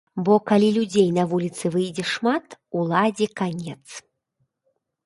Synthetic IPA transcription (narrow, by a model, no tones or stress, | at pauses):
bɔkalʲilʲud͡zʲejnɐvulʲit̪sɨvɨjd͡zʲɛʂmat̪ulˠad͡zʲɛkanʲɛt̪s